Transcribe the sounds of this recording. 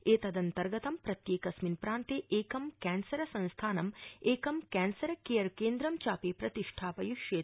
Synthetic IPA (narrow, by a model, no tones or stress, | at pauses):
eːt̪ɐd̪ɐnt̪ɐɾɡɐt̪ɐmpɾɐt̪jeːkɐsminpɾaːnt̪eʔeːkɐmkɛːnsɐɾɐsɐ̃nst̪ʰaːnɐmeːkɐmkɛːnsɐɾɐkeːjɐɾkeːnd̪ɾɐmt͡ʃaːpeːpɾɐt̪iʂʈʰaːpɐjuʃjeː